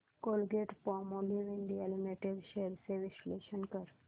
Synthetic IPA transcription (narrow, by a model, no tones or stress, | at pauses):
kolɡeʈpɔmoliʋinɖ̪ielimeʈeɖɕeɾseʋisleʃənkəɾ